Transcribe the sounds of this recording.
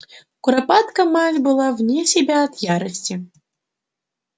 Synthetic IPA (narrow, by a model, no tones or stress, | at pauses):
kuɾapat̪kɐmat͡sʲbɨlˠawnʲɛsʲɛbʲaːt̪jaɾɐsʲt͡sʲi